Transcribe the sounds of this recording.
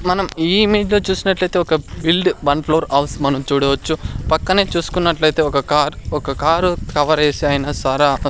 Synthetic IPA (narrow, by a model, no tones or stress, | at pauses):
mɐnɐmiːime̞ːd͡ʒlo̞ːt͡ʃuːsinɐʈlɐjt̪eːɔkɐbilɖbɐnpʰloːɾɐwsmɐnɐmt͡ʃuːɽɐʋɐt͡ʃːupɐkːɐne̞ːt͡ʃuːsu̥kunːɐʈlɐjt̪e̞ːɔkɐkaːɾɔkɐkaːɾkɐʋɐɾeːsiaːjnɐsɐɾaː